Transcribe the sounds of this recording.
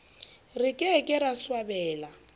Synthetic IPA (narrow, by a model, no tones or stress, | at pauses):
rɪkʼɪkʼɪɾaswabɛːla